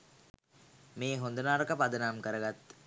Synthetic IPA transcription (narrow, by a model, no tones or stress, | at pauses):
meːɦond̪ənaːɾəkəpad̪ənamkəɾəɡat̪ː